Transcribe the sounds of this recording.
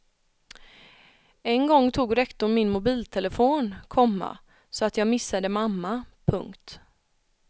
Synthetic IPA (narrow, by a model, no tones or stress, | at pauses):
ɛnɡɔŋːt̪ʰuːɡɾɛkt̪ʊɾmɪnmʊbiːlt̪ʰɛləfoːnkʰɔmːa̰ | sɔat̪jɑːɡmɪsːad̪əmamːapʰɵŋkt̪